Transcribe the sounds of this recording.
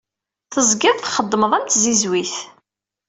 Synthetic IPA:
θəzˤɡɪðˤθχəd̪ˤːməðˤæmt̪zizwiθ

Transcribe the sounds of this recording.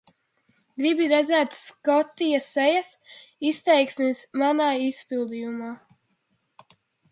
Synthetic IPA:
ɡɾibiɾɛd̪zɛːt̪skɔt̪ːijasɛjasist̪ɛjksmʲismanaːispilˠd̪ijumaː

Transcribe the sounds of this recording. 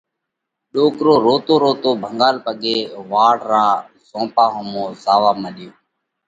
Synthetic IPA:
ɗoːkɾoːɾoːt̪oːɾoːt̪oːbʱəŋɡaːlpəɠeːʋaːɽɾaː | zõːpaːɦəmõːzaːʋaːməɗɪjoː

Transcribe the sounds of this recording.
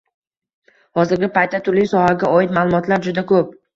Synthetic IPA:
hɒzɪɾɡʲɪpʰajt̪ʰːat̪ʰʊɾlijsɒhaɡʲaɒɪt̪maːlˠʊmɒt̪ʰlaɾd͡ʒʊd̪akʰɵp̚

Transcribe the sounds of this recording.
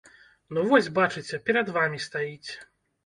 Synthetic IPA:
nuvɔsʲbat͡ʂɨt͡sʲɛpʲɛɾɐd̪vamʲist̪ajit͡sʲ

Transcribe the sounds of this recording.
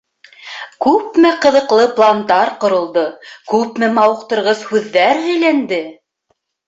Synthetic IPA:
kʉpmɘqɤ̆ðɤ̆qlˠɤplˠand̪ɑɾqŏɾŏlˠd̪ɤkʉpmɘmɑwɤ̆qt̪ɤ̆ɾʁɤshʉðːæɾɦɘ̆jlænd̪ɘ

